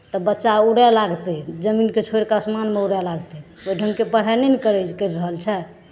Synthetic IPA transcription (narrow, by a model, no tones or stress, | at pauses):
t̪ɔbətːʃauɽɛlaɡt̪ɛd͡ʒəminket͡ʃʰoɾkasmanmeuɽɛlaɡt̪ɛ | ojɖʱəŋɡkepəɽ̤ɛnenikəɾɛkəɾɾəɦəlt͡ʃʰɛ